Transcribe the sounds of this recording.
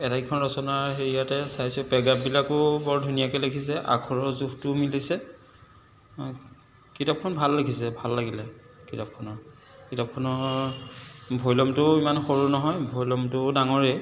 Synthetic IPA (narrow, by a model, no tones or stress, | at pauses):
ɛtaikʰɔnɹɔsɔnaɹheɹijatɛsajsʊpɛɡap̚bilakʊbɔɹdʱunijakɛlekʰisɛʔa̰kʰɔɹɔzuxtʊmilisɛ | kitap̚kʰɔnbʱalːekʰisɛbʱalːaɡilɛ | kitap̚kʰɔnɔ | kitap̚kʰɔnɔ | bʱɔjlɔmtʊimanxoɹunɔɦɔjbʱojlɔmtʊdaŋɔɹe